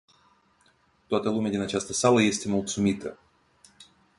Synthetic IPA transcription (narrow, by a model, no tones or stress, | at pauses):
t̪oat̪əlumʲead̪ʲinat͡ʃast̪əsaləje̞st̪e̞mulˠt̪sumit̪ə